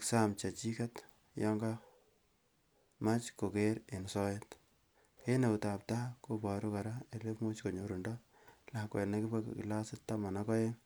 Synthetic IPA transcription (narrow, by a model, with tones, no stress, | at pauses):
ksa˦mt͡ʃa˨t͡ʃi˦ka˦t | jɔ˦ŋɡa˦ | ma˦t͡ʃko˨ke˦ɾe˨nsɔ˦jet | ke˦ne˨u˨ta˨p̚ta˦ko˦bɔ˨ɾu˦ka˨ɾa˦e˨le˦pmo˦t͡ʃko˨ɲo˨ɾu˨ndɔ˦ | la˨kwɛ̰˨lna˦ki˦pa˦kkḭ˨la˦sɪ˦ttːa˦ma˨na˦kɔ˦je˦